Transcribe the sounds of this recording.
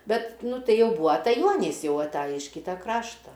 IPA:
ˈbʲɛt ˈnʊ ˈtɐɪ ˈjɛʊ ˈbuːɐ ɐtɐˈjuɔnʲiːs ˈjɛʊ ɐˈtɑːjɪ ɪʃ ˈkʲiːtɐ ˈkrɑːʃtɐ

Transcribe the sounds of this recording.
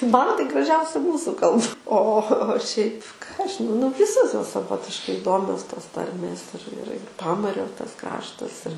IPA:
ˈmɐn tɐɪ ɡrɐˈʒʲɛʊsʲɪ ˈmuːsʊ ˈkɐlˠp oː oː oː oː ʃʲɛɪp kɑː ˈɐʃ ʒʲɪˈnɐʊ nʊ ˈʋʲɪsoːs ˈjoːs sɐˈʋoːtʲɪʃkɐɪ ɪˈdoːmʲoːs toːs ˈtɐrʲmʲeːs ɪr ɪr ɪr ˈpɑːmɐrʲoː tɐs ˈkrɑːʃtɐs ɪr

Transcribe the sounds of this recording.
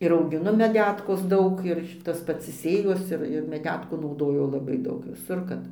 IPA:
ɪr ɐʊɡʲɪˈnʊ mʲɛˈdʲæːtkoːs ˈdɐʊk ɪr ˈtɐs pɐts ɪ ˈsʲeːjoːs ˈɪr ɪr mʲɛˈdʲæːtkuː nɐʊˈdoːjʊ lˠɐˈbɐɪ ˈdɐʊk ʋʲɪˈsʊr kɐt

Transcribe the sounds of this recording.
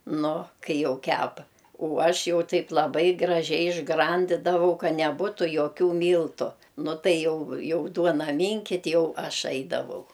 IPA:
ˈnʊ ˈkɐɪ ˈjɛʊ ˈkʲæːpɐ oː ˈɐʃ ˈjɛʊ ˈtɐɪp lˠɐˈbɐɪ ɡrɐˈʒʲɛɪ ɪʒˈɡrɐnʲdʲɪdɐʋɐʊ ˈkɐ nʲɛˈbuːtʊ joːˈkʲuː ˈmʲiːlˠtʊ ˈnʊ ˈtɐɪ ˈjɛʊ ˈjɛʊ ˈduɔnɐ ˈmʲɪŋʲkʲɪtʲ ˈjɛʊ ˈɐʃ ˈɐɪdɐʋɐʊ

